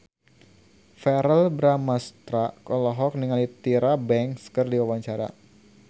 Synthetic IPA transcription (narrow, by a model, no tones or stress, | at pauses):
fɛɾəlbɾamast̪ɾakɔlɔɦɔk̚niŋalit̪iɾabɛŋkskɨrdiwawaɲt͡ʃaɾa̰